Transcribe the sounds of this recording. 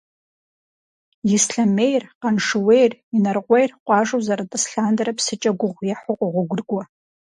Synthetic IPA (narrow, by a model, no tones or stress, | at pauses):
jɪsɬamejrqanʂɨwejrinarqʷejrqʷʼɑːʐowzaɾatʼɨsɬaːndaɾapʰsɨt͡ʃʼɐɡʷʊʁʷjaħʊqʷʼaʁʷʊɡʷʊrɡʷa